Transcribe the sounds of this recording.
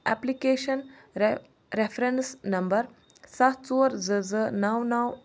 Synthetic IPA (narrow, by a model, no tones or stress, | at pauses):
ɛ̰plikeːɕən | ɾefɾensnɐmbəɾ | satt͡suɾd͡zəd͡zənawnaw